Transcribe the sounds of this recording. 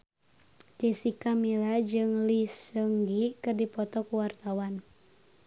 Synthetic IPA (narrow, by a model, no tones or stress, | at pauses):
d͡ʒɛsikamilad͡ʒɨŋlisəŋɡikɨrdipɔt̪ɔkuwart̪awan